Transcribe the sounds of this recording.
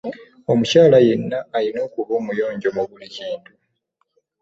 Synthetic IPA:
o̞mucaːlaje̞nːaːlino̞ːkuβoːmujo̞ːɲɟo̞muβuliciːntu

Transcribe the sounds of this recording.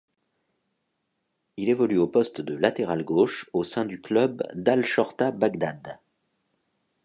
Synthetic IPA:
ilevɔlyopɔst̪d̪əlat̪eʁalɡoʃosɛ̃d̪yklœbd̪alʃɔʁt̪abaɡd̪ad̪

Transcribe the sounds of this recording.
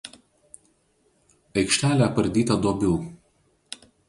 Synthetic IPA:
ɐɪkʃʲt̪ʲæːlʲæpɐɾʲd̪ʲiːt̪ɐd̪obʲɛʊ

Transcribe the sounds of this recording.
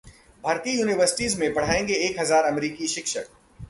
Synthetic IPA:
bʱaːɾt̪ijuːnɪʋəɾsɪ̥ʈizmẽbɐɽ̤aːẽŋɡeeːkɦɐzaːɾɐmɾiːkiʃɪkʃək̚

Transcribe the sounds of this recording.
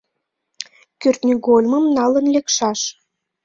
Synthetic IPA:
kørt̪nʲiɡolʲmə̆mnɑlənlekʃɑʃ

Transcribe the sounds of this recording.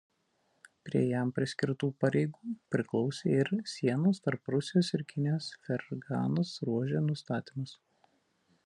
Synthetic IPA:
pʲɾʲiɛjæmpʲɾʲɪsʲkʲɪɾt̪uːpɐɾʲɛɪɡuːpʲɾʲɪklˠɒʊsʲeːɪɾsʲiɛnoːst̪ɐɾpɾʊsʲɪjoːsɪɾʲkʲɪnʲjoːsfʲɛɾɡɑ̰ːnɐsɾuɔʒʲeːnʊst̪ɑːt̪ʲiːmɐs

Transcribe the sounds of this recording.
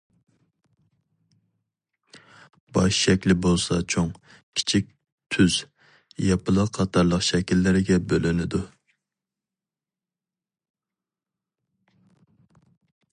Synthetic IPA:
b̥ɑʃʃɛkʲlɪbolˠsɑt͡ʃʰoŋ | kʲʰi̥t͡ʃʰik̚ʲ | t̪ʰyz̥ | jɑpʰɨlˠəqqʰɑt̪ʰɑɾlˠəqʃɛkʲilːɪɾɪɡʲɛbølynɪd̪u

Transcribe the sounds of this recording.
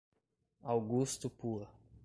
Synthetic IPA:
awɡust̪upu

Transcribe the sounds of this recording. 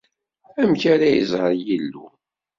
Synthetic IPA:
æmçaɾæjə̰zˤəɾˤjilːu

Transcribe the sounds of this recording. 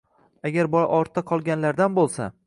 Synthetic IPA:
aɡʲaɾbɒɾʔɒɾt̪ʰːaqʰɒlˠɡʲanlaɾd̪anbolˠsa̰

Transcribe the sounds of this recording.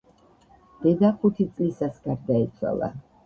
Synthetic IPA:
d̪̥ɛd̪aχut̪ʰit̪sʼlisasɡ̥aɾd̪ait̪sʰwa̰lˠa̰

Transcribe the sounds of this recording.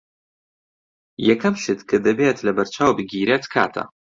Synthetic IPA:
jɛkʰɐmʃɨtʰkʰɨdɐbetʰlɐbɐrt͡ʃʰaːwbɨɡʲiːɾɐtʰkʰa̰ːtʰɐ̰

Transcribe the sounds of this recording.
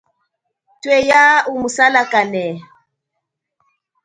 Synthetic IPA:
twɛjaumusalakanɛ

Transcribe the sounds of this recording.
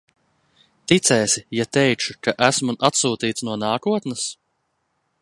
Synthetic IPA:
t̪it̪sɛːsijat̪ɛjt͡ʃukaʔæsmuʔat̪suːt̪iːt̪snuɔnaːkuɔt̪nɐs

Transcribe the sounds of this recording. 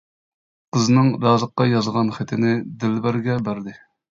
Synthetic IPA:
qʰəznɨŋɾɑːzəqːɑjɑzʁɑnχɪt̪ʰɪnɪd̪ɪlbæɾɡʲɛbæɾd̪ɪ

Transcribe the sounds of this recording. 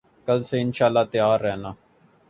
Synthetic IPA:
kəlseːɪnʃaːlːaːt̪ɪjaːɾːɛːnaː

